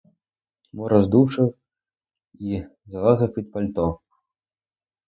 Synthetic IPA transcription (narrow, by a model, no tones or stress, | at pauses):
mɔɾɐzd̪uʂɐw | izɐlˠazɐwpʲit̪̚pɐlʲt̪ɔ